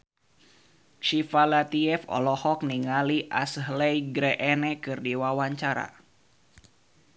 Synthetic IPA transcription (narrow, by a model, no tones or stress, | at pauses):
ʃifalat̪iɛfɔ̰lɔhɔk̚niŋaliʔasɦlɛjɡɾɛʔɛnɛkɨrdiwawaɲt͡ʃaɾa̰